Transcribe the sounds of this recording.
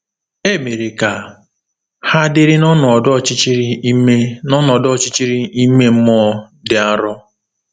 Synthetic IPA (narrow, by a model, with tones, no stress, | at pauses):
e˦me˨ɾe˨ka˨ | ha˦dɪ˦ɾɪ˦nɔ˦nɔ˨dt͡ʃɪ˦t͡ʃi˦ɾi˦e˦nɔ˦nɔ˨dɔ˦t͡ʃɪ˦t͡ʃi˦ɾi˦i˦me˦m̩˦mɔ˦ | dɪ˨a˦ɾɔ˦